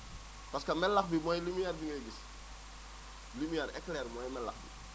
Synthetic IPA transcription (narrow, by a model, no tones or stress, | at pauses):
pɐskɐmɛlːɐxbimɔjlimijɛrbiŋɐɡis | limijɛɾɛkːlɛːɾmɔjmɛlːɐ̰xbḭ